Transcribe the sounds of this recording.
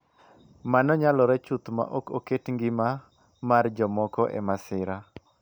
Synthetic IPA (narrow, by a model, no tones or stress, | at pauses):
manɔɲalɔɾɛt͡ʃut̪ma̰ʔɔkoketŋɡɪma | mard͡ʒɔmɔkɔʔɛ̰masɪɾa